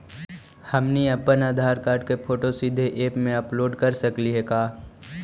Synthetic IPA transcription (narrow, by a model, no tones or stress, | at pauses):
hɐmniɐpːənaːd̪ʱaːɾkaːɾɖkepʰoːʈosɪd̪ʱːeʔeːpmẽɐploːɖkɐɾsɐkliɦekaː